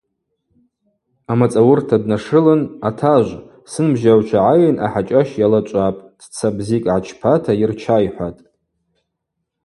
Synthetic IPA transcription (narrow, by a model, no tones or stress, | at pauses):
amat͡sʼawʊrtʰadnaʂɨlɨnatʰaʒʷ | sɨnbʒawt͡ʃʷʰaʕajnʔa̰ħat͡ʃʼaʃjalat͡ʃʷʼapʼd̥t͡sʰabzikʼʕat͡ʃʰpʰatʰairt͡ʃʰajħʷatʼ